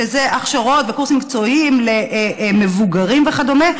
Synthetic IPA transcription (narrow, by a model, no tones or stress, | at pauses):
ezeʔaχʃaʁo̞t̪vekuʁsimik̚t͡so̞imleme̞vuɡaʁimveχad̪o̞me